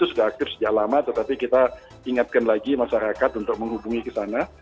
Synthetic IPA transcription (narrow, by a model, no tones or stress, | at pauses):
t̪usudahak̚t̪ɪfsəd͡ʒaʔlamat̪ət̪apikit̪a | iŋat̪̚kanlaɡimaʃaɾakat̪unt̪ʊk̚məŋɦubuŋikəsana